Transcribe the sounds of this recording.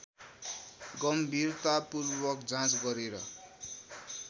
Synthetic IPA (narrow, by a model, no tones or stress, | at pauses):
ɡʌmbʱirt̪apurbʌkd͡zãt͡sɡʌɾeɾʌ